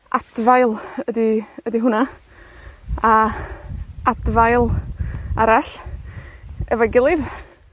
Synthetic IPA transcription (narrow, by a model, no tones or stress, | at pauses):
ʔad̥vajlˠədiədiɦʊna | a | advajlˠaɾaɬ | ɛvajɡɪlˠɨð